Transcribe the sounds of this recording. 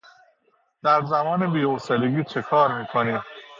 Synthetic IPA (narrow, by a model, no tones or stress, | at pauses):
d̪̥æɾzæmɒːnebiːoseleɡiːt͡ʃʰe̞kʰɒːɾmiːkʰoniːm